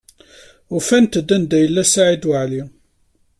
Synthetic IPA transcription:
ʊfænt̪əd̪ːænd̪æjəlːæsaʕid̪wʕli

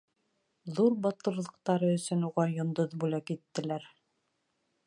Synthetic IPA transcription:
ðuɾbɑt̪ɤ̆ɾlˠɤ̆q̚t̪ɑɾɤɵ̆sɵnuʁɑjŏnd̪oðbulækit̪ːɘ̆læɾ

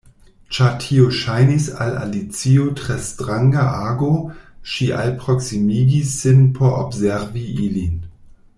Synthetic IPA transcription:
t͡ʃatʰioʃajnisa̰la̰lit͡siotʁestʁaŋɡaʔaːɡoʃiʔa̰lpɾoksimiɡisːɪnpʰoɾo̰bzeɾviʔilin

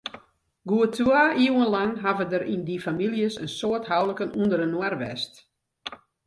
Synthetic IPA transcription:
ɡuətʰwaːiwənlaŋɦavədəɾʔindifamiljəsənsoətɦawləkənundərənwɛrʋɛ̰st

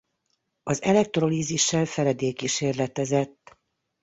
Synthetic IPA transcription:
ɒzɛlɛk̚t̪ro̞liːziʃːɛlfɛɾɛd̪eːkiʃeːrlɛt̪ɛzɛt̪ː

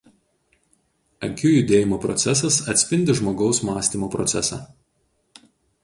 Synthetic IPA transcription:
ɐŋʲkʲuːjʊd̪ʲeːjɪmoːpɾɔ̰t̪sʲɛs̬ɐsɐt̪ʲsʲpʲɪnʲd̪ʲɪʒmoːɡɒʊsmɑːsʲt̪ʲiːmoːpɾɔ̰t̪sʲɛsɑ̰ː

